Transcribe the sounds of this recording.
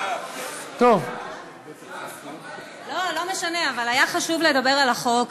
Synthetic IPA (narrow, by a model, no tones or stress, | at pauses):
t̪ov | lo̞lo̞me̞ʃane̞avalajaχaʃuvle̞dabe̞ʁalaχo̞k